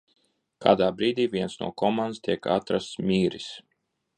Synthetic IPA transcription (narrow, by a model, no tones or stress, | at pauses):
kʰa̰ːd̪aːbɾiːd̪iːvʲiɛnsnṵɔkɔmand̪st̪iɛka̰t̪ɾast̪smʲiːɾis